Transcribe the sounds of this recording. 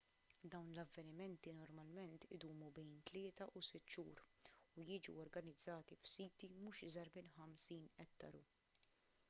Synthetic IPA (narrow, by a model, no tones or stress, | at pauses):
d̪ɐwnlɐvːɛnɪmɛnt̪inɔɾmɐlmɛnt̪ɪd̪uːmubɛjnt̪lɪːt̪ɐʔusɪt̪ːʃuːɾujɪːd͡ʒṵɔɾɡɐnɪd͡zːɐːt̪ifsiːt̪imuːʃɪzɐɾmɪnħɐmsiːnɛtt̪ːɐɾṵ